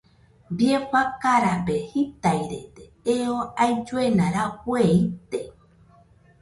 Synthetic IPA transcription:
bieɸakaɾapehit̪ajɾḛt̪e | eoajd͡ʒuenãɾakweit̪e

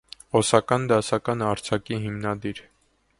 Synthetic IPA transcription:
ɔsɑkɑnd̪ɑsɑkɑnɑɾt͡sʰɑkiɦimnɑd̪iɾ

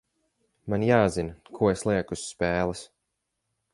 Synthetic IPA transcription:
manjaːzinkʰuɔeslˠiɛkusːpɛːlˠɨs

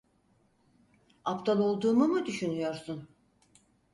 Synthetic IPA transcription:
apt̪ʰalˠo̞lˠd̪uːmumɯd̪yʃynyjo̞ɾsun

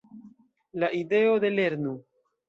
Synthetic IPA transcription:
laʔide̞o̞de̞le̞ɾnu

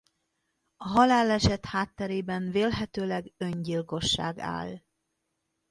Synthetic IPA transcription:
ɒɦɒlaːlːɛʃɛt̪haːt̪ːɛɾeːbɛnveːlɦɛt̪øːlɛɡøɲɟilko̞ʃːa̰ːɡa̰ːl

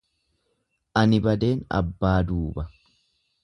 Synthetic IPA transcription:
ʔɐnɪbɐd̪e̞ːnɐ̰bːaːd̪uːbɐ

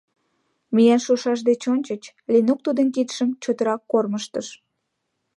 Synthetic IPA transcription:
mijænʃuʃɑʃ̬d̪et͡ɕonʲt͡ɕət͡ɕ | linuk̚t̪ud̪ənk̬it̪ʃəmt͡ɕot̪əɾɑkːorməʃt̪əʃ

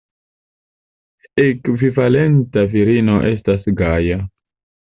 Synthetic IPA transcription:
ekvivale̞ntaviɾino̞ʔe̞stasɡaja

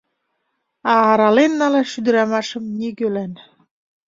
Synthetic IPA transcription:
ɑːɾɑlenːɑleʃyd̪ə̆ɾɑmɑʃə̆mnʲikølæn

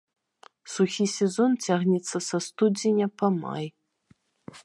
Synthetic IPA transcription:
suxʲisʲezontʰaːʁnʲɛt͡sʰːɐsɐstudʲinʲapʰɐma̰j

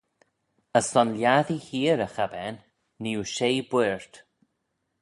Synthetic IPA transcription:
əsɔnljaðihiːɾəxabɛnː | iːuʃejbwɪɹt̪

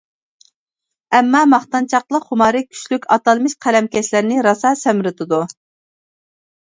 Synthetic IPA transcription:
ɛmːɑmɑχt̪ɑnt͡ʃʰɑqlˠəqχʊmɑːɾɨkʲʰy̥ʃlykʲʰɑt̪ɑlˠmɪʃqʰælɛmkʲɛʃlæɾnɪɾɑsɑsɛmɾɪt̪ʰɨd̪u

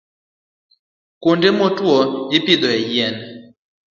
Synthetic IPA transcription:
kondemɔtwɔjɪpɪd̪ɔɛjɛn

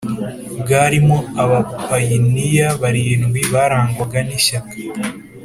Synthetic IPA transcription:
bɡaːɾimoaβapajinijaβaɾijinɡwiβaɾaːŋɡaɡaniʃakḁ

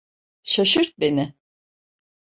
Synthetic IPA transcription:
ʃaʃɯɾt̪̚benɪ

